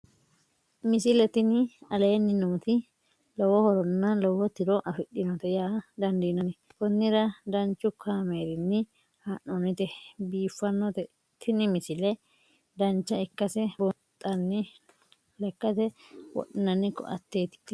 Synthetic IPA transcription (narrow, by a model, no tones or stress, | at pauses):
mɪsɪlɛt̪ɪnɪɐle̞ːnːɪnuːt̪ɪ | lɔwɔhɔɾɔnːɐlɔwɔt̪ɪɾɔʔɐfɪɗːɪnɔt̪ɛjaːd̪ɐnd̪iːnɐnɛ | bɔnːɪɾɐd̪ɐnt͡ʃːʊkʰaːmeːɾɪnːɪ | haːʔɔnɪt̪ɛbiːfːɐnːɔt̪ɛ | t̪ɪnɪmɪsɪlɛ | d̪ɐnt͡ʃːɐɪkːɐsɛbɔ | t̪ʼːɐnːɪ | lɛkːɐt̪ɛwɔ̰ɗɪnɐnːɪkːɔ̰ɐ̰t̪ːeːt̪ɪ̥t̪ː